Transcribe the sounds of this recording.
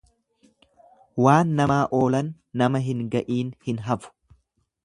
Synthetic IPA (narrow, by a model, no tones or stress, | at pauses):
waːnːɐmaːʔo̞ːlɐnː | ɐmɐɦɪŋɡɐʔiːnhɪnɦɐfʊ̥